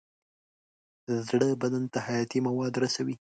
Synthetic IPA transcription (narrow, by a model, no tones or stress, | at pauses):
zɽəbad̪ant̪ahajɑt̪imawɑd̪ɾasawi